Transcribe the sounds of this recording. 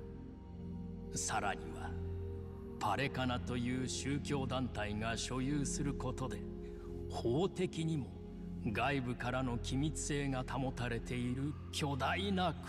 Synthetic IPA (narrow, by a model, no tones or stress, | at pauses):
saɾa̰ɲ̟ḭβa̰ | pʰaɾe̞kanat̪o̞jɯ̟ːɕɨːkʲo̞ːd̪ãnt̪aiŋaɕo̞jɯːsɨɾɯ̟ko̞t̪o̞d̪e̞ | ho̞ːt̪e̞kʲiɲ̟imo̞ | ɡaibɯ̟kaɾano̞kʲimʲit͡sɨ̥e̞ːŋat̪ʰamo̞t̪aɾe̞t̪e̞iɾɯ̟ | kʲo̞d̪ainak